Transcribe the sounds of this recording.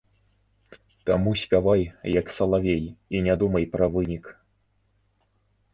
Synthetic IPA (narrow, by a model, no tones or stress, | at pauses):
t̪amusʲpʲavajjɐksɐlˠavʲejinʲad̪umɐjpɾɐvɨnʲik